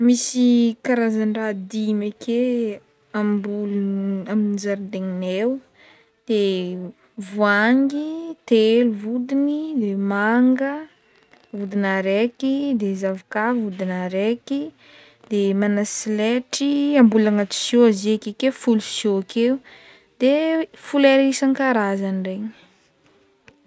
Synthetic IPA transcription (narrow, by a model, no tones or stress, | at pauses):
misikaɾazaɳɖ͡ʐad̪imekʰe | ambulaminizaɾid̪eŋinew | d̪̥e | vuaŋɡit̪eluvud̪inid̪emaŋɡə | vud̪inaɾekid̪ezavikavvud̪inaɾeki | d̪̥emanasileʈ͡ʂiambulaŋat̪i̥sjoazekekefulusjoakʰeu | d̪̥efuleɾisaŋkaɾazanireɲi̥